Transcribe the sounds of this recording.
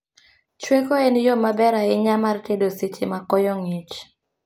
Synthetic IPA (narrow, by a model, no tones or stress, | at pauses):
t͡ʃwekoɛnjomabɛɾaɪɲamartedoset͡ʃɪmakɔjɔŋit͡ʃ